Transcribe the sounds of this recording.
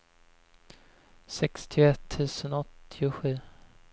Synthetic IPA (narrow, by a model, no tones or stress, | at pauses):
sɛkst̪ʰɪʊɛt̪ʰːʉ̟ːsənɔt̪ʰːɪʊɧʉ̟ː